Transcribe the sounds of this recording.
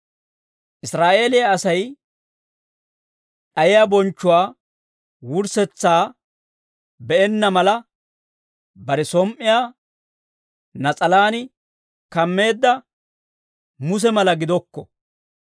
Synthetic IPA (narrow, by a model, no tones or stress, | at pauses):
ʔɪsɾaːʔe̞ːlɪjaːsɐj | ɗɐjɪjabɔnt͡ʃːʊwaː | wʊɾsɛt͡sːaː | bɛɛnːɐmɐlɐ | bɐɾɛsɔmʔːɪjaː | nɐt͡sʼɐlaːnɪ | kɐmːe̞ːd̪ːɐ | mʊs̬ɛmɐlɐɡɪd̪ɔkːɔ